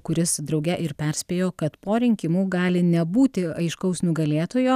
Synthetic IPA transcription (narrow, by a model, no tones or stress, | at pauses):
kʊɾʲɪsd̪ɾɒʊɡʲɛʔɪɾpʲɛɾʲsʲpʲeːjoːkɐt̪poːɾʲɪŋʲkʲɪmuːɡɑːlʲɪnʲɛbuːt̪ʲɪɐɪʃkɐʊsnʊɡɐlʲeːt̪oːjoː